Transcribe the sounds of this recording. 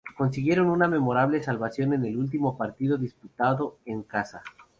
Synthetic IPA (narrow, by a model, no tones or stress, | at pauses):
ko̞nsiɣje̞ɾo̞nuname̞mo̞ɾaβle̞salβasjo̞ne̞ne̞lult̪̬imo̞paɾt̪iðo̞ðisput̪aðo̞eŋkasa